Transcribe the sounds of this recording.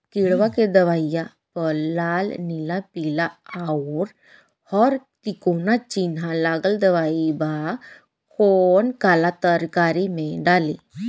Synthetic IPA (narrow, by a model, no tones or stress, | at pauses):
kiɽʋaked̪əʋaja | pəlalnilapilaaɾ | hɔɾt̪ikonat͡ɕinɦãlaɡəld̪əʋaiba | kʰonkalat̪əɾkaɾimẽɖale